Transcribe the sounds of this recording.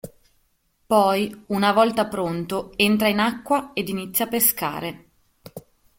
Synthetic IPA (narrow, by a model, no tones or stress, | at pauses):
pɔjunavɔlt̪apɾont̪oent̪ɾainakːwaed̪init̪sːjapːeska̰ːɾe